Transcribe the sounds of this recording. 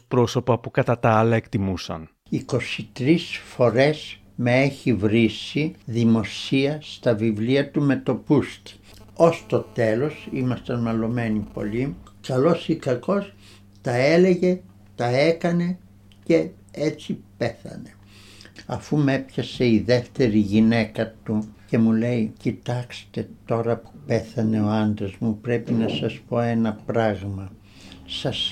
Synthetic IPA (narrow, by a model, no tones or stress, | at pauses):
pɾo̞so̞pɐpukɐt̪ɐt̪ɐɐlɐekt̪imusɐ̰n | iko̞sit̪ɾisfo̞ɾe̞s | meeçivɾisiðimo̞siɐst̪ɐvivliɐt̪ume̞t̪o̞pust̪i̥ | o̞st̪o̞t̪e̞lo̞simɐst̪ɐnmɐlo̞me̞nipo̞̰likɐlo̞sikɐko̞s | t̪ɐele̞ʝe̞ | t̪ɐekɐne̞ | ce̞ | et͡sipeθɐ̰ne̞ | ɐfumepçɐse̞iðe̞ft̪e̞ɾiʝine̞kɐt̪uce̞mule̞icit̪ɐkst̪e̞t̪o̞ɾɐpu̥pe̞θɐne̞o̞ɐnd̪ɾɐzmupɾe̞pinɐsɐspo̞e̞nɐpɾɐɣmɐ | sɐs